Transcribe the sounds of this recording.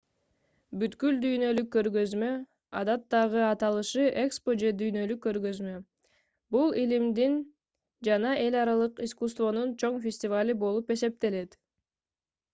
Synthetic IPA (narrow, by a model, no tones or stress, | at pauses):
byt̪kyld̪yjnø̞lykːø̞ɾɡø̞zmø̞ | ɑ̰d̪ɑt̪ːɑʁɯɑt̪ɑlˠɯʃɯʔe̞kspo̞d͡ʒe̞d̪yjnø̞lykːø̞ɾɡø̞zmø | bulˠilimd̪in | d͡ʒɑnɑʔe̞lʲɑɾɑlˠɯqiskust̪vo̞nunt͡ʃʰo̞ɴfʲɪsʲtʲɪvalʲibo̞lˠupe̞se̞p̚t̪e̞le̞t̪